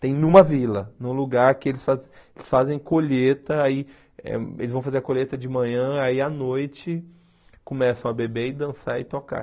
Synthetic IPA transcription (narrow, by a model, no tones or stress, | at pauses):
t̪ẽj̃nũmɐvilɐnũluɡaɾkɪelɪsfazelɪ̥sfazẽj̃koʎet̪ɐai | ɛ̰ḛlɪzvɐ̃w̃fazeɾɐkoʎet̪ɐd͡ʒɪmɐ̃ɲɐ̃aianojt͡ʃɪ | kõmɛsɐ̃w̃ɐbebeɪd̪ɐ̃saɾɪt̪oka̰